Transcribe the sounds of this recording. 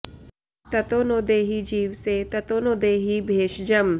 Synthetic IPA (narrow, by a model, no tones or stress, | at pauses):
t̪ɐt̪oːnoːd̪eːɦid͡ʒiːʋset̪ɐt̪oːnoːd̪eːɦibʱeːʃd͡ʒɐm